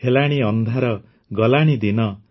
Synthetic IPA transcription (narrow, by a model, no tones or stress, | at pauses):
helaɽ̃iɔnd̪ʱaɾɔ | ɡɔlaɽ̃id̪inɔ